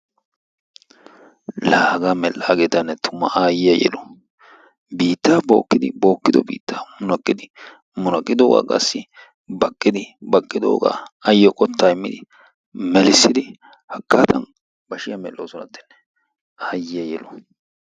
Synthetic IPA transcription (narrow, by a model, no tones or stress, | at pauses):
laːɡamɛlːaːɡeːt̪ɐnːɛt̪ʰʊmːɐʔaːjɪjɐjɛ̰lɔ | biːt̪ːaːbo̞̰ːkːɪd̪ɪbo̞ːkːɪd̪ɔ̰bḭːt̪ːaːmʊnɐkʼːɪd̪ɪ | mʊnɐkʼːɪd̪oːɡa̰ːkʼɐ̰sːɪ | bɐkʼːɪd̪ɪbɐkʼːɪd̪o̰ːɡa̰ːɐjːɔkʼɔt̪ʰːaːɪmːɪ̰d̪ɪ | mɛlɪsːɪd̪ɪ | hɐkːaːt̪ɐ̰n | b̥ɐʃɪjɐmɛlːoːsɔnɐ̰t̪ːɪ̥nːɛ | aːjɪjɐjɛlɔ